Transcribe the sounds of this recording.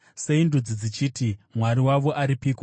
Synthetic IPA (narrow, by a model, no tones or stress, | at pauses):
seindud͡zid͡zit͡ʃiːtimwaɾiwaʋo̞ʔaɾipiko